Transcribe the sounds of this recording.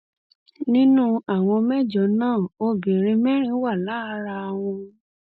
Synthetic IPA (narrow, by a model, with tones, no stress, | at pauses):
nĩ˦nũ˦a˨w̃ɔ̃˧mɛ˦d͡ʒɔ˨˦nãː˦˨o˧bĩ˨ɾ̃ĩ˧mɛ˦ɾ̃ĩ˧˦wa˦˨la˨˦ɾa˧w̃ɔ̃˧